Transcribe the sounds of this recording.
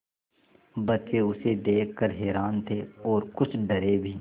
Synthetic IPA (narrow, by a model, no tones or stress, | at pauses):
bɐt͡ʃeʊsed̪eːkʰkəɾɦɛːɾaːnt̪ʰeːɔːɾkʊt͡ʃʰɖɐɾebʱiː